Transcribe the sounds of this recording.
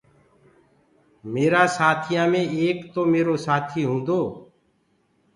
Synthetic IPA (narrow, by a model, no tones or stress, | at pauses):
meːɾaːsaːt̪ʰijãːmẽːeːkt̪oːmeːɾoːsaːt̪ʰiːɦũːnd̪oː